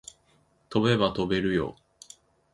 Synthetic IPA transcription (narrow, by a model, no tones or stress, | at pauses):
t̪o̞be̞βat̪o̞be̞ɾɯ̟jo̞̰